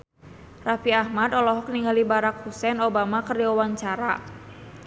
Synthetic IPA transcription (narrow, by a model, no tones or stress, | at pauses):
rafiahmadɔlɔɦɔk̚niŋɡalibaɾak̚husɛnobamakərdiɔwaɲt͡ʃaɾa̰